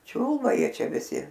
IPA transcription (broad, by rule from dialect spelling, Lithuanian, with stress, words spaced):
ˈt͡ʃʲuːlˠbɐ ˈjiɛ ˈt͡ʃʲɛ ʋʲɪˈsʲɪ